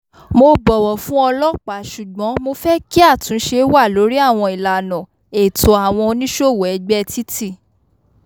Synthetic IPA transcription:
mo˧bɔ˨wɔ˨fũ˦ɔ˧lɔ˦k͡pa˨˦ʃu˨ɡ͡bɔ̃˨˦mo˧fɛ˦ki˦a˦˨tũ˨˦ʃe˧˦wa˦˨lo˨˦ɾi˦a˦˨w̃ɔ̃˧i˨la˨nɔ̃˨ | e˨tʰo˨a˨w̃ɔ̃˧o˧nĩ˦ʃo˦˨wɛ˨ɛ˧ɡ͡bɛ˦˧ti˦ti˦˨

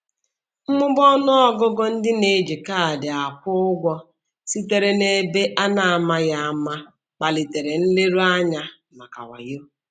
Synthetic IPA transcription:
m̩˦mʊ˦bɔ˦nʊ˦ɔ˦ɡʊ˦ɡɔ˦n̩˦dɪ˦ne˨d͡ʒi˨ka˦a˨dɪ˨a˨kʊ˦ʊ˦ɡʷɔ˦ | si˦te˨ɾe˨ne˨be˦ʔa˦na˨a˨ma˦ja˦a˦ma˦ | k͡pa˨li˨te˨ɾe˨n̩˦le˦ɾu˦a˦ɲa˦ | ma˨ka̰˨wa̰˨jo˦˨

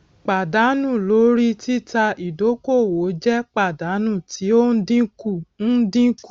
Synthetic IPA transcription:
k͡pa˨da˨˦nũ˦˨lo˨˦ɾi˦ti˦ta˧i˨do˨˦ko˦˨wo˨˦d͡ʒɛ˦k͡pa˦˨da˨˦nũ˦˨ti˨˦o˦n̩˦dĩ˦ku˦˨n̩˦dĩ˦k

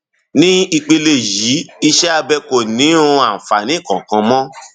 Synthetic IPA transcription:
nĩ˦i˧k͡pe˧le˦˨ji˨˦i˧ʃɛ˦a˧bɛ˧ko˨nĩ˨˦ũ˧a˦˨fa˨nĩ˨˦˨kɔ̃˨kã˧mɔ̃˦

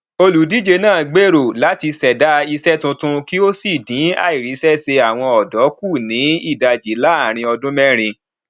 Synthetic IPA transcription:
o˧lu˨˦di˦d͡ʒe˧nãː˦˨ɡ͡be˦ɾo˨la˨˦ti˧sɛ˨da˨˦i˧sɛ˦tũ˧tũ˦˧ki˦o˦si˦˨dĩ˨˦a̰˦˨i˨ɾi˨˦sɛ˦se˧a˦˨w̃ɔ̃˧ɔ˨dɔ˨˦ku˦˨nĩ˨˦i˦˨da˧˨d͡ʒi˨˦la˦a˦˨ɾ̃ĩ˧ɔ˧dũ˦mɛ˦ɾ̃ĩ˧

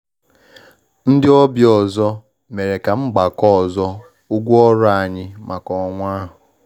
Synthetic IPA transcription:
n̩˦dɪ˦ɔ˦bjɔ˨zɔ˦ | me˨ɾe˨ka˨ŋ͡m̩˦ɡ͡ba˨kɔ˦˨zɔ˦ | u˦ɡʷu˦ɔ˦ɾa˨ɲɪ˦ma˨kɔ˨˦ŋʷa˦ɦʊ˨

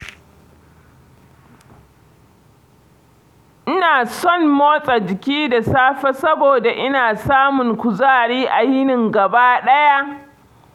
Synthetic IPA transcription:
ʔɪ˦naː˨sɔ˦˨mːoː˦sʼa˨d͡ʒɪ˨kʲiː˦da˨saː˦ɸɛ˦sɐ˦boː˨da˨ʔɪ˦naː˨saː˦mʊ˨ŋkʷʊ˨zaː˦ɽiː˦ʔa˨jɪ˦nɪ˨ŋɡɐ˨baː˦ɗɐ˦ja˦ʔ

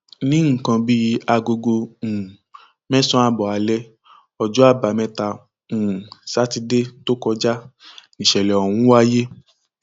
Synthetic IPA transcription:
nĩ˦ŋ̩˨kã˧bi˦a˧ɡo˧ɡõ˧˨ | mɛ̃˦sɔ̃˦a˧bɔ˨a˨lɛ˦ | ɔ˨d͡ʒɔ˨˦a˦˨ba˨mɛ̃˧˦ta˧ | ũ˨sa˨˦ti˧de˦to˦kɔ˧d͡ʒa˦nĩ˨ʃɛ˨lɛ˨ɔ˨wũ˨˦wa˦je˦

